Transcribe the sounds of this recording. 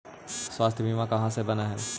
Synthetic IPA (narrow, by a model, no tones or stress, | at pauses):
swaːst̪ʰjəbʱimãkɐɦãsebɐnaɦɛː